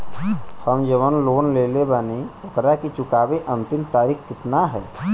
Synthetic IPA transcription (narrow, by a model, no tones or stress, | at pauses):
həmd͡ʒəʋənloːnleːlebaːneokɾakit͡ʃʊkaːbeʔə̃nt̪ɪmt̪aːɾikkɪt̪naɦɛ̰ː